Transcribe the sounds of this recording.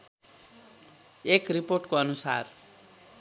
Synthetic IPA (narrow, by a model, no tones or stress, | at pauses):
ekriporʈkoʌnusa̰r